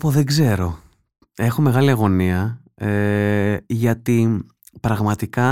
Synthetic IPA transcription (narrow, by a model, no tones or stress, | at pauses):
poðeɡze̞ɾo̞ | e̞xo̞me̞ɣɐliɐɣo̞niɐ | e | ʝɐt̪i | pɾɐɣmɐt̪ikɐ